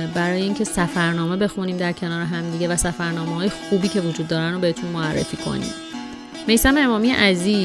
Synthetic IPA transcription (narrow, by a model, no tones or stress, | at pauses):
bæɾɒːjeiːŋcʰe̞sæfæɾnɒːme̞be̞xuniːmd̪æɾcʰe̞nɒːɾeɦæmd̪iɟe̞væsæfæɾnɒːmeɦɒːjexuːbiːcʰe̞vod͡ʒuːd̪ːɒːɾænobe̞et̪ʰunmoærːḛfiːkʰo̞̰nḭːm | me̞jsæmee̞mɒːmijḛʔæziː